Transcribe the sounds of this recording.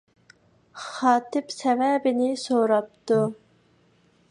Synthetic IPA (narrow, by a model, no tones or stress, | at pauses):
χɑːt̪ʰɪpsɛvɛbɪnɪsoɾɑp̚t̪ʰu